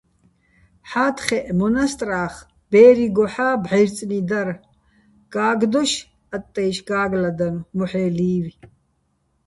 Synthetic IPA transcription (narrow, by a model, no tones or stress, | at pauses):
ħaːt̪ʰχɛʔmɔnast̪ʼraːχ | b̥ɛːɾiɡɔħaːbʕɛjɾt͡sʼnid̪aɾ | ɡ̥aːɡd̪ɔʃ | at̪ʼːɛjʃɡaːɡlad̪anmɔħɛːliːvi